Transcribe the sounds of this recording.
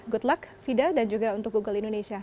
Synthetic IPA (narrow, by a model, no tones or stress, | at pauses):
ɡut̪lakfidadand͡ʒuɡaunt̪ʊk̚ɡuɡʊlindonesia